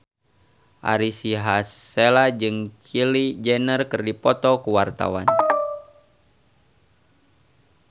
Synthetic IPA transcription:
ʔa̰ɾisiɦaselad͡ʒɨŋkʰilid͡ʒɛnərkɨrdipɔt̪ɔkuwart̪a̰wan

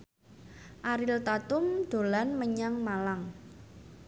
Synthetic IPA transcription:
ʔaɾɪlt̪at̪ʊmd̪̥o̤lanməɲaŋmalaŋ

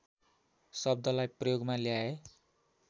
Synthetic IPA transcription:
sʌb̚d̪ʱʌlajprʌjoɡmaljae

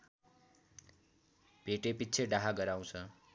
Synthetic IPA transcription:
bʱeʈepit̪ːt͡sʰeɖaɦaɡʌɾaw̃t͡sʰʌ

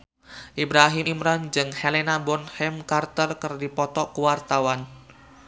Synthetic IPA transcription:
ʔibɾaɦimɾand͡ʒɨŋhelenabɔnhɛmkart̪ərkərdipɔt̪ɔkuwart̪awan

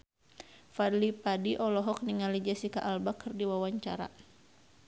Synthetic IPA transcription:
fadlipadiʔɔlɔɦɔk̚niŋalid͡ʒasikaʔalbakɨrdiwawaɲt͡ʃaɾa̰

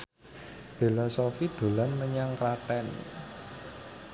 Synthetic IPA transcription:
filɔsofid̪̥o̤lanməɲaŋkɾat̪ɛn

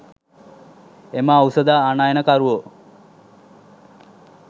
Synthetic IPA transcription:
eməausəd̪aːnaːjənəkaɾuʋo

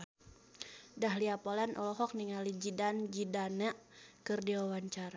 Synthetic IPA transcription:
daɦliapɔlanʔɔlɔɦɔk̚niŋalid͡ʒidand͡ʒidanəʔkɨrdiwawaɲt͡ʃaɾa

